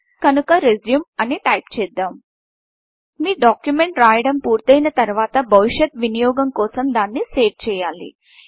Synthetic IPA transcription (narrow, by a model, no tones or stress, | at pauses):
kɐnukɐɾezjumɐniʈɐjpt͡ʃɛːd̪ːaːm | miːɖaːkjumeɳʈɾaːjɐɽɐmpuːɾt̪ɐjnɐt̪ɐɾʋaːt̪ɐbɐʋiʂɐt̪ʋinijɔːɡɐmkɔːsɐmd̪aːnːiseːft͡ʃɛːjaːlḭ